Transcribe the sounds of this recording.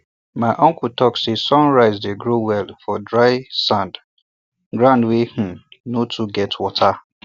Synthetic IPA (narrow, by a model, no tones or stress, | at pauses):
maɪʔɔ̃ŋkutʰɔksesɔ̃nɹaɪzdeɡɹowɛlfɔdɹaɪsãnd | ɡɹãndweh̩notʰuɡɛtʰwɔtʰa